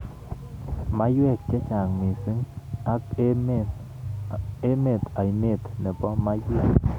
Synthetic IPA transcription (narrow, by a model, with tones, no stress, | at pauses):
ma˦jwɛ˦˨k̚t͡ʃɛ˦t͡ʃa˨ŋmi˨si˦ŋa˦k | e˦me˨t̪a˨i˨me˦˨t̪nɛ˨pɔ˦ma˦je˦